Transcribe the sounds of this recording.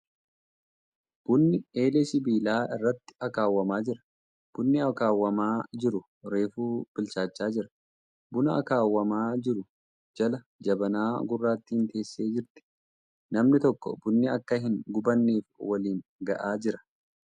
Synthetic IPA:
b̥ʊnːɪeːlɛsɪbiːlaːɪrːɐt̪ːɪ̥ɐkaːwːɐmaːd͡ʒɪɾɐ̥ | b̥ʊnːɪɐkaːwːɐmaːd͡ʒɪɾʊ | ɾe̞ːfuːb̥ɪlt͡ʃaːt͡ʃːaːd͡ʒɪɾɐ̥ | bʊnɐɐ̰kaːwːɐmaːd͡ʒɪɾʊ | d͡ʒɐlɐ | d͡ʒɐbɐnaːɡʊrːaːt̪ːɪɪnt̪e̞ːsːe̞ːd͡ʒɪɾt̪ɪ̥ | nɐmnɪt̪ɔkːɔ̰bʊnːɪɐkːɐɦɪŋɡʊbɐnːiːfwɐliːŋɡɐ̰ʔaːd͡ʒɪɾɐ̥

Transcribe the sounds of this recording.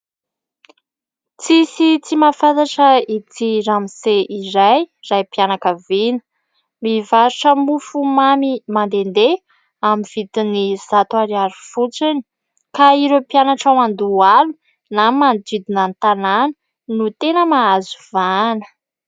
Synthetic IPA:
t͡sisit͡simafant̪aʈ͡ʂəit̪iɾamiseʔiɾajrajpianakəvinə̥ | mivaɾuʈ͡ʂəmufumamimand̪end̪e | amiv̥it̪iniz̥at̪uaɾiaɾifut͡sini̥ | kaiɾewpianaʈ͡ʂawand̪ualu | namand̪id̪inant̪ananə̥ | nut̪enəmaazu̥vanə̥

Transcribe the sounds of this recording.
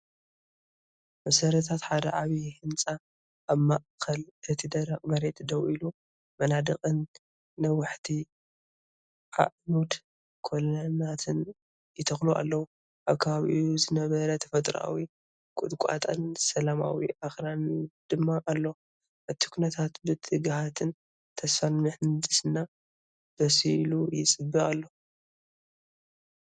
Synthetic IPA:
mɐsɐɾɐt̪ʰat̪ħad̪ɐ̰ʕaβihɨnt͡sʼa | ʔːβmaʔkʰɐlʔɨt̪ʰid̪ɐɾakʼmɐɾe̞t̪d̪ɐwʔilu | mɐnad̪ɐkʼɨnː | ɐwɨħt̪ʰi | ʔa̰ʔnud̪ | kʰolɐnat̪ʰɨn | jɪt̪ʰɐxluʔa̰lːɐwu | ʔaβkʰɐβaβ̰ʔiuzɨnɐβɐɾɐt̪ʰɐfɐt̪ʼɾa̰wi | kʼʊd̪kʷʼa̰t̪ʼansɐlama̰wiʔaxɾand̪̥ɨmːaʔalːo̞ | ʔɨt̪ʰi̥kʰunɐt̪ʰat̪bɨt̪ʰʼɨɡhat̪ʰɨn | t̪ʰɐsfanmɨħɨnd̪ɨsɨnːa | b̥ɐsilujɪt͡sʼɨbːɨalːo

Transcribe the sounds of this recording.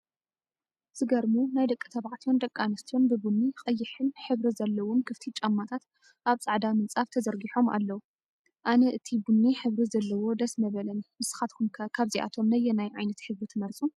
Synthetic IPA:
z̥ɨɡɐɾmunajd̪ɐkʼːɨt̪ʰɐβaʕt̪ʰijond̪ɐkʼːanɐst̪ʰijo̞nbɨbunːixʼɐjːɪħɨnħɨβɾizɐlːɐwomkʰɨft̪ʰit͡ʃʼɐmːat̪ʰat̪ | ʔaβt͡sʼaʕd̪amɨnt͡sʼaft̪ʰɐzɐɾɡiħo̞ma̰lːɐwu | ʔanɐʔɨt̪ʰibunːiħɨβɾizɐlːɐwo̞d̪ɐsmɐβɐlɐnmɨsɨ̥xat̪kʰumkʰkʰaβziʔa̰t̪ʰo̞mnɐjːɛnajʕajnɐt̪ħɨβɾit̪ʰɨmɐɾt͡sʼu

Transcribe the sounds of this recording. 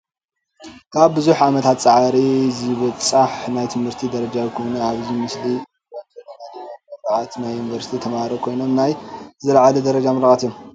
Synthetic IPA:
kʰaβbɨzuħʕamɐt̪ʰat̪t͡sʼaʕaɾizɨβɔt͡sʼaħnajt̪ʰɨmhɨɾt̪ʰid̪ɐɾɐd͡ʒajkʰo̞jnɐaβzimɨsli | wanɐlɐnalomɐɾɾaʕat̪najunivɐɾsi̥t̪ʰit̪ʰɐmaɾokʰo̞jno̞mnajzɨɾʕalud̪ɐɾɐd͡ʒamɐɾaʔat̪ijːom

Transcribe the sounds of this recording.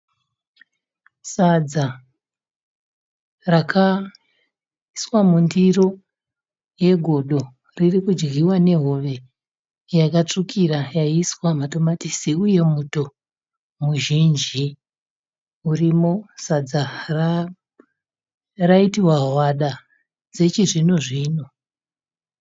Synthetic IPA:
sad͡za | rakʰa | iswamundiro̞ | je̞ɡʱo̞ɗo̞ | ririkud͡ʒɡiwane̞ɦo̞ʋe̞ | jakat͡ʂukʰiɾajaiswamato̞matisiuje̞muto̞ | muʒind͡ʒi | urimo̞sad͡zar | raitiwaɦwaɗa | d͡ze̞t͡ʃiʐinoʐiːno

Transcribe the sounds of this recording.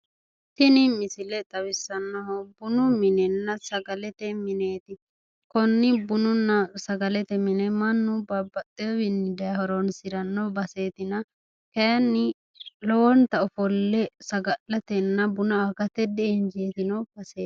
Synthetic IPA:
t̪ɪnɪmɪsɪlɛt̪ʼɐwɪsːɐnːɐɦɔbʊnʊmɪnɛnːɐsɐɡɐlɛt̪ɛmɪneːt̪ɪ | kɔnːɪbʊnʊnːɐsɐɡɐlɛt̪ɛmɪnɛmɐnːʊbɐbɐt̪ʼːewɪnːɪd̪ɐjhɔɾɔnsɪɾɐnːɔbɐse̞ːt̪ɪnɐ | kɐjɐnːɪ | lɔwɔnt̪ɐɔfɔlːɛsɐɡɐlːɐt̪ɛnːɐbʊnɐakɐt̪ɛd̪ɛɛnd͡ʒeːt̪ɪnɔb̥ɐseː

